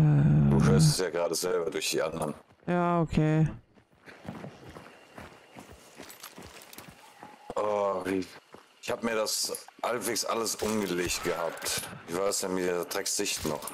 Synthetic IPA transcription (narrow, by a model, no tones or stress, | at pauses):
d̥uːhøːɐstɛsjaːɡʁaːdəzɛlbɐdʊɐçd̥iːʔa̰ndɐn | jaːokʰeː | ʔɔ | ʔɪçhaːbəmiːɐdashalpv̥eːksʔa̰ləsʔʊnɡəleːçt̚ɡ̥əhaːp̚tɪçv̥aɪsjaːmitʁ̥ɛːksz̥ɪçtnɔ̰χ